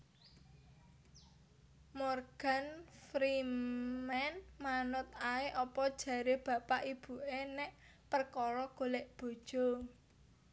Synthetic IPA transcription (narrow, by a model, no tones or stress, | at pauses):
mɔrɡ̥a̤nfɾimɛnmanʊt̪aeʔɔpɔd̥ʒ̥ä̤ɾeb̥ä̤paʔib̥ṳʔenɛʔ | pərkɔɾɔɡ̥oleʔb̥o̤d̥ʒ̥o̤